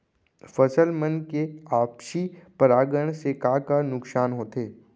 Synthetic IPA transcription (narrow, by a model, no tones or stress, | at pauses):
fɐsəlmənkeaːpʃipəɾaːɡəɽ̃sekaːkanʊksaːnɦoːt̪eː